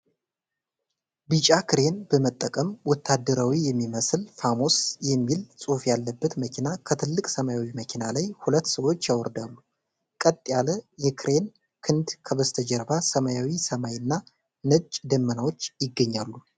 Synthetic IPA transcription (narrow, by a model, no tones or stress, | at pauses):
bɨt͡ʃʼakɨɾe̞nbəmət̪ʼːəkʼəmwɔt̪ʰːad̪ːəɾawijɛmːiməslfamo̞sjɛmːilsʼufjalːəbːət̪məkʰinakʰət̪ʰɨlːɨkʼsəmajawiməkʰinalajhulət̪ːsəwot͡ʃːjawɔɾd̪alːu | kʼət̪ʼjaləjɛkʰɨɾe̞n | kʰɨnd̪kʰəβəst̪ʰəd͡ʒəɾbasəmajawisəmajɨnːa | nɨt͡ʃʼd̪əmːənawo̞t͡ʃːjɪɡːəɲːalːu